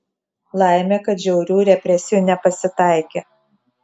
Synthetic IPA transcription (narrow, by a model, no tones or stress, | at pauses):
lˠɑˑɪmʲeːkɐt̪ʒʲɛʊɾʲuːɾʲɛpʲɾʲɛsʲɪjuːnʲɛpɐsʲɪt̪ɑˑɪkʲeː